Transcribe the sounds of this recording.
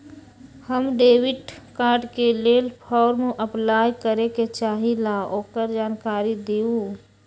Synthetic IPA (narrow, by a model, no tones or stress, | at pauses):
həmɖeːwɪɖkaːɾɖkeleːlpʰɔːɾmʔəplaːjkəɾeket͡ʃaːɦilaːoːkəɾd͡ʒaːnkaːɾid̪eːu